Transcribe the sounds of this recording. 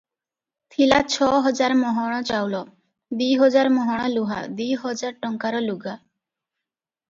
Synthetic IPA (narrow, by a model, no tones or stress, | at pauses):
t̪ʰilat͡ʃʰɔɦɔd͡ʒaɾmɔɦɔɽ̃ɔt͡ʃawlɔ | d̪ujɦɔd͡ʒaɾmɔɦɔɽ̃ɔluɦa̰d̪ujɦɔd͡ʒaɾʈɔŋkaɾɔluɡa